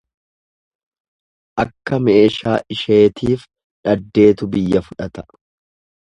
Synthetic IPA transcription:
ʔɐkːɐme̞ːʃaːʔɪʃe̞ːt̪ʰiːf | ᶑɐd̪ːe̞ːt̪ʊbɪjːɐfʊᶑɐt̪ɐ̥

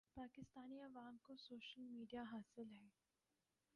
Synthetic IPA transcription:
paːkɪst̪aːniaʋaːŋkosoːʃəlmiːɖijaɦaːsɪlɦɛː

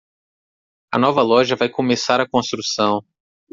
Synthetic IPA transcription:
ɐ̰nɔvɐlɔʒɐvajkomesaɾɐkõst̪ɾusɐ̃w̃

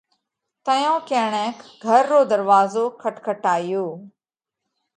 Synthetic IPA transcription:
t̪əjõːkẽːɳɛ̃ːkʰɡʱəɾːoːd̪əɾʋaːzoːkʰəʈkʰəʈaːɪjoː

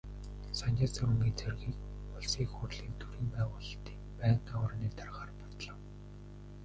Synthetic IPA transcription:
sanʲaːt͡saɾuŋɡiːnt͡sʰerɣiːk | ɔɮsiːkxʊrɮiːnt̪ʰuɾiːmpæːʁʊːɮt̪i̥ːkpæːɴqawrniːt̪arʁaːrpɔt̪ɮə̆w

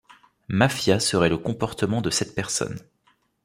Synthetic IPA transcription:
mafjasəʁɛləkɔ̃pɔʁt̪əmɑ̃d̪əsɛt̪̚pɛʁsɔ̰n

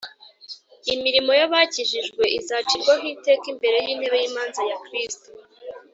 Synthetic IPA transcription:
imiɾimo̞jaβaciʒiʒɡwe̞izaːt͡ʃikwaɦiːte̞kimbe̞ɾe̞jiːn̥he̞βe̞jimaːnzajakɾisto

